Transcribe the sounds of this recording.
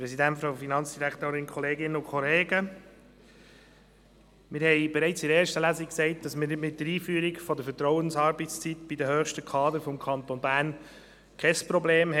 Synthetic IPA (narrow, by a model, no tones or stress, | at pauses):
pɾɛsidæntfɾɑʊfinɑnt͡sd̥iɾækt̪oːɾɪnkʰχɔleːɡɪnəʊnkʰχɔleːɡə | mɪɾhɛɪb̥ɛɾɛɪt͡sɪɾeːɾʃtəlæziksɛɪt̚d̥ɑsmɪnɪmɪt̚d̥əɾiːfyːəɾikfɔdəɾfətɾɔwənsɑːɾbətst͡sitb̥idəhøːχʃtəkʰɑːd̪əɾfɔmkʰɑnt̪onbæːn | kʰɛspɾɔbleːmɦɛ